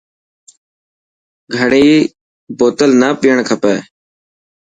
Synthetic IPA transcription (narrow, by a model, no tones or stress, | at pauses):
ɡʱəɽeiː | boːt̪əlnaːpɪjəɳkʰəpɛː